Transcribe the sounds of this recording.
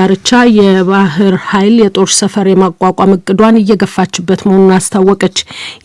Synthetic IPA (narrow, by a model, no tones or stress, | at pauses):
aɾɨt͡ʃːajɛβaɦɨɾhajljɛt̪ʼo̞ɾsəfəɾjɛmakʷʼakʷʼamɨkʼɨd̪wanɨjːɛɡəfːat͡ʃːɪbːət̪məhonunast̪ʰawːɔkʼət͡ʃː